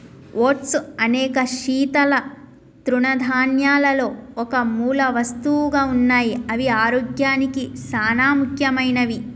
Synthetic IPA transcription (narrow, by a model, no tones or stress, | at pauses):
ʔoːʈsuɐnɛːkɐʃiːt̪ɐlɐ | t̪ɾuɳɐd̪ʱaːnjaːlɐlo̞ːɔkɐmuːlɐʋɐst̪uɡaːunːaːjiɐʋiaːɾoːɡjaːnikisaːnaːmukʰjɐmɐjnɐʋi